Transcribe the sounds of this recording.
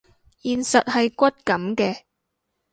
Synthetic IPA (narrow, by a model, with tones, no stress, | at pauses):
jiː˨nsɐ˨t̚hɐ˨jkʷɐ˥t̚kɐ˨˥mkɛː˧